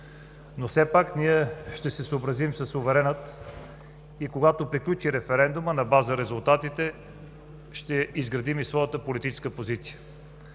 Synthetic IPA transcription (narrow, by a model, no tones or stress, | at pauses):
nosɛpakniɛʃt̪ɛsɛsoobɾɐzimsɐsovɛɾɛnət̪ | ikoɡat̪opɾiklʲut͡ʃiɾɛfɛɾɛnd̪umənɐbazəɾɛzʊlˠt̪at̪it̪ɛ | ʃt̪ɛizɡɾɐd̪imisvɔjət̪əpolit̪it͡ʃɛ̥skəpozit̪sijə